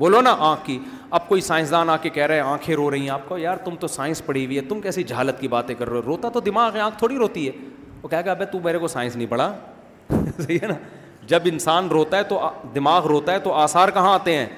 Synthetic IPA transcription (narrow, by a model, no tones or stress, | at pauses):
boːlonaʔãːkːi | ɐb̚koːisaːɪ̃ns̬d̪aːnaːkekɛɦɾɐɦɛ̃ãːkʰẽɾoɾɐɦĩɦɛ̃aːp̚kojaːɾt̪ʊmt̪osaːɪ̃spɐɽ̤iwiɦɛt̪ʊmkɛːsid͡ʒɐɦaːlət̪kibaːt̪ẽkɐɾːoɾoːt̪aɛt̪od̪ɪmaːɣɛ̃ãːk̚ʰt̪ʰoːɽiɾoːt̪iɦɛː | oːkɛɦeɡabɛt̪ũmeːɾekosaːɪ̃nsnɐɦĩpɐɽaː | sɐɦiena | d͡ʒɐbɪnsaːnɾoːt̪aɦɛt̪oʔd̪ɪmaːɣɾoːt̪aɦɛt̪oʔaːsaːɾkɐɦãaːt̪eɦɛ̃ː